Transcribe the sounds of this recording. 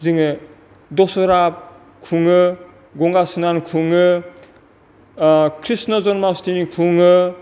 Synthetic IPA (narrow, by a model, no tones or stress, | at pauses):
ziŋɯ | dɔsɔɾap̚ | kʰuŋɯ | ɡɔŋɡasinankʰuŋɯ | kʰɾisnɔzɔnmawstinikʰuŋɯ